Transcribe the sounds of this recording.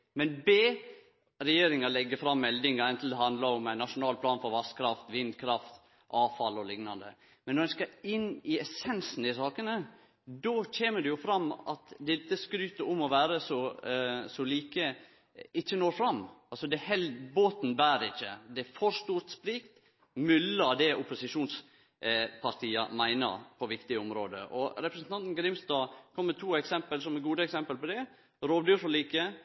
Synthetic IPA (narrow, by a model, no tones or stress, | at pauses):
mɛnbeː | ɾɛjeːɾɪŋɑlɛɡːəfɾɑmːɛld̪ɪŋɑɾɛnt̪l̩d̪ɛɦɑnd̪lɑɾɔmæɪnɑʂʊnɑːlpʰlɑːnfɔɾʋɑskʰɾɑft̪ʋɪnd̪kʰɾɑft̪ | ʔɑːfɑlːɔlɪŋnɑnd̪ə̰ | mɛnːɔd̪ɛskɑɪnːɪɛsɛnsn̩ɪsɑːkənə | d̪ɔc͡çeːməd̪ɛjʊfɾɑmːɑ̰t̪d̪ɛt̪ːəskɾyːt̪əɾɔmːɔʋæːɾəsɔ | sɔliːkə | ɪçːənoːɾfɾɑmːɑlsɔd̪ɛhɛlboːt̪n̩bæːɾɪçːə̰d̪ɛfɔɾʂt̪uːɾt̪splɪkt̪ | mʉlːəd̪ɛʔʊpʊsɪʂuːns | pʰɑɾt̪ʰiːɑ̰mæɪnə̰ɾpʰɔʋɪkt̪ɪəɔmɾo̰ːd̪ə̰ʔɔɾɛpɾəsn̩t̪ɑnt̪n̩ɡɾɪmst̪ɑːkʰɔmːət̪ʰuːɛksɛmpəlsɔmɛɡuːd̪əɛksɛmpəlpɔd̪ɛ | ɾoːʋd̪yfɔɭiːkə